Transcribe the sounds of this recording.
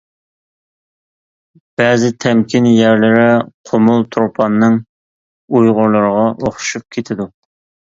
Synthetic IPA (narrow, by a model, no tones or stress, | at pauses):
b̥ɛzɪt̪ʰɛmkʲʰinjæɾlɪɾɪqʰomʊlˠt̪ʰɾopʰɑnːɨŋ | ujʁʊɾlˠəɾəʁɑʔoχʃup̚kʲʰet̪ʰɪd̪u